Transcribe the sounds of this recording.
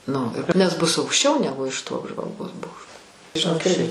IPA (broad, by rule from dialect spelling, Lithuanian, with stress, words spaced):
ˈnʊ nʲɛs ˈbʊs ɐʊkʃʲˈt͡ʃʲɛʊ ˈnʲæːɡʊ ɪʃ toː ɐbʒʋɐlˠˈɡoːs ˈboːkʃtoː ʒʲɪˈnoːk ˈɪrʲɡʲɪ